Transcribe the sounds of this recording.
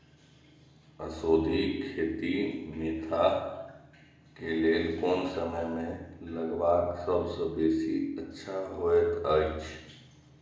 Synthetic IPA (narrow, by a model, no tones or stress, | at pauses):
əsoːd̪ʱikʰeːt̪ineːt̪ʰa | keleːkoːnsəməjmẽləɡbaːɡsəbsəbeːsiətːʃʰaɦoət̪ət͡ʃʰ